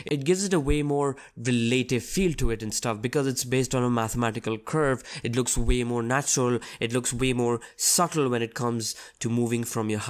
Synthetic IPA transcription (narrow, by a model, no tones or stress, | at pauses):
ʔɪt̚ɡɪvzɨɾəweɪmɔːɹ | ɹɪleɪɾɪvfild̚tɨɪɾɨ̃nstʌfbɨkʌzɨtsbeɪstn̩əmæθəmæɾɪkəl̩ˠkʰɜ˞vɨtlʊksweɪmɔːɹnæt͡ʃɹəl̩ˠɨtlʊksweɪmɔːɹsʌɾl̩ˠwɛ̃nɨt̚kʰʌ̃mz̥tʰɨmuːvɪ̃ŋfɹʌ̃mjə˞h